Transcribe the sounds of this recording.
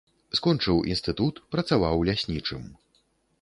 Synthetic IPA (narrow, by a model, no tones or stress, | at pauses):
skɔnt͡ʂɨwʔḭnst̪ɨt̪ut̪pɾɐt̪savawlʲasʲnʲit͡ʂɨm